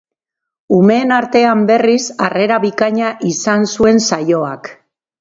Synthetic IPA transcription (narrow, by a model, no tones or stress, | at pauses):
ume̞ːnaɾt̪e̞ambe̞risare̞ɾaβikaɲaʔisansue̞nsajo̞ak